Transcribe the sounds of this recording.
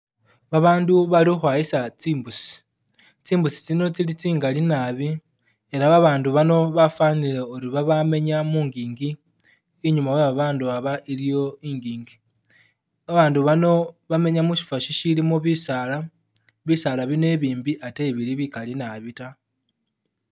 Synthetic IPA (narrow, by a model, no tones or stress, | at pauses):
βaβaːnduβalixwaːjisat͡siːmbusi̥ | t͡siːmbusi̥t͡sino̞t͡silit͡siːŋɡalinaβi | e̞ɾaβaβaːnduβano̞βafanile̞oɾiβaβame̞ɲamuːŋɡiːŋɡiː | ɲumaweβaβaːnduaβaʔilijo̞iːŋɡiːŋɡi | βaβaːnduβano̞βame̞ɲamuʃi̥faʃiʃilimoβisala | βisalaβine̞βiːmbiʔate̞βiɾiβikalinaβita